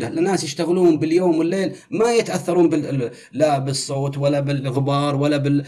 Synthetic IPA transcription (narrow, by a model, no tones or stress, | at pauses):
lalɪnːaːsjɪʃt̪aɣluːmbɪljoːmwɪlːeːlmajɪt̪ʔaθːɑɾˤuːnbɪ | labɪsˤːoːt̪walːabɪlɣɪbɑːɾˤwalːabɪ